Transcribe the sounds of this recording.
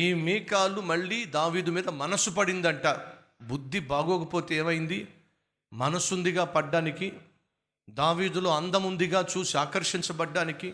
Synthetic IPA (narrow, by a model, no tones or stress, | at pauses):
iːmiːkaːlumɐɭːiːd̪aːʋiːd̪umiːd̪ɐmɐnɐsupɐɽind̪ɐɳʈaː | bud̪ʱːibaːɡɔːkɐpoːt̪eeːmɐjind̪i | mɐnɐsund̪iɡaːpɐɖːaːniki | d̪aːʋiːd̪ulo̞ːɐnd̪ɐmund̪iɡaːt͡ʃuːsiaːkɐɾʂiɲt͡ʃɐbɐɖːaːniki